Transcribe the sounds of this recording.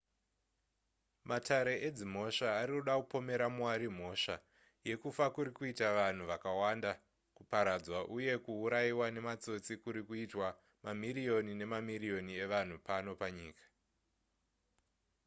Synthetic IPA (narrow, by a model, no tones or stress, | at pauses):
matʰaɾe̞ʔed͡zim̤o̞ʃaːɾikuɗakupo̞me̞ɾamwaɾim̤o̞ʃa | je̞kufakuɾikuitaʋan̤uʋakawanda | kupaɾad͡zwaʔuje̞kuːɾaiwane̞mat͡so̞t͡sikuɾikuitwa | mamirijo̞nine̞mamirijo̞nie̞ʋan̤upano̞paɲiːkḁ